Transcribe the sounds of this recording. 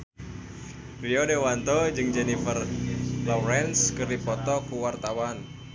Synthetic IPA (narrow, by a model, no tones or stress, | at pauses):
riɔdewant̪ɔd͡ʒɨŋd͡ʒɛnifərlɔwɾɛnskɨrdipɔt̪ɔkuwart̪awan